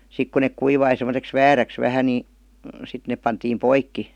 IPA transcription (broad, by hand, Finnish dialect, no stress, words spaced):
sik ku nek kuiʋɑi semə̆seks ʋæːræks ʋæhæ ni sit nep pɑntiːm poikːi